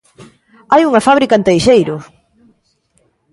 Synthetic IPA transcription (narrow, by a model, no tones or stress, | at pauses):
ajuŋɐfaβ̞ɾikaent̪ejʃejɾʊ